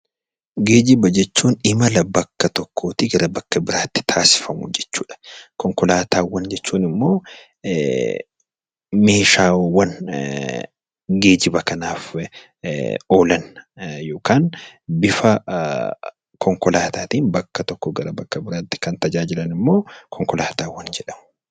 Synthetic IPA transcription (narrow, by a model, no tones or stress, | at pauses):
ɡe̞ːd͡ʒɪbɐd͡ʒɛt͡ʃːuːnɪmɐlɐbɐkːɐt̪ɔkʰːo̞ːt̪ɪɡɐɾɐbɐkːɐbɪɾaːt̪ːɪ̥t̪ʰaːsɪ̥fɐmʊ̰d͡ʒɛt͡ʃːuːᶑɐ̥kɔŋkɔlaːt̪ʰaːwːɐnd͡ʒɛt͡ʃːuːnɪmːo̞ː | me̞ːʃaːwːɐn | ɡe̞ːd͡ʒɪbɐkɐnaːf | o̞ːlɐnjoːkaːnbɪfɐ | kʰɔŋkɔlaːt̪aːt̪iːnbɐkːɐt̪ɔkːɔɡɐɾɐbɐkːɐbɪɾaːt̪ːɪ̥kɐnt̪ɐd͡ʒaːd͡ʒɪlɐnɪmːo̞ːkʰɔŋkɔlaːt̪aːwːɐnd͡ʒɛᶑɐmʊ̥